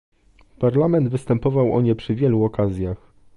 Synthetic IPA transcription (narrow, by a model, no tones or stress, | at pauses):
paɾlamɛnd̪vɘst̪ɛmpɔvawʔɔ̰ɲɛpʂɘvʲjɛluɔkazʲjax